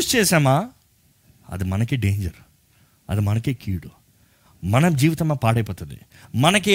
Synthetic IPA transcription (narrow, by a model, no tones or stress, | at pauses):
ust͡ʃeːsaːmaː | ɐ̰d̪umɐnɐkːeɖeːɲd͡ʒɐɾ | ɐ̰d̪umɐnɐkːeːkiːɽu | mɐnɐmd͡ʒiːʋit̪ɐmːaːpaːɽɐjpoːt̪ːɐd̪ḛ | mɐnɐk̬ːe